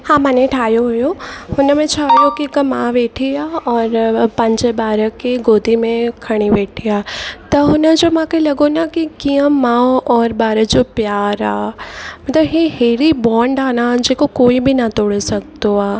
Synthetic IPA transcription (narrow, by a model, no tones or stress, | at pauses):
hãːmanẽʈʰaːjoɦʊjohʊnəmẽt͡ʃʰaːjokikɐmãʋeːʈʰiaːɔːɾpɐ̃ɲd͡ʒebaːɾəkeɡoːd̪ʱimẽkʰɐɽ̃iʋeːʈʰiaːt̪ɐɦʊnəd͡ʒomãkelɐɡonakikijə̃mãːɔːɾbaːɾəd͡ʒopjaːɾa̰ːmɐt̪ləbɦeɦeːɾibɔːɳɖaːnaːd͡ʒeːkokoːibʱinɐt̪oːɽesɐɡ̚t̪oaː